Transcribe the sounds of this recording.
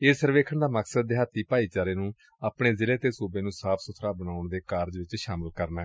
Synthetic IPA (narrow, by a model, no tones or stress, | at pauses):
eːsəɾʋeːkʰəɳd̪aːməksəd̪̚ːeɦat̪ːiːpaːiːt͡ʃaːɾeːnũː | aːpɳeːzɪleːt̪eːsuːbeːnũːsaːpʰsʊt̪ʰɾaːbənaːʊɳd̪eːkaːɾd͡ʒʋɪt͡ʃʃaːməlkəɾnɛː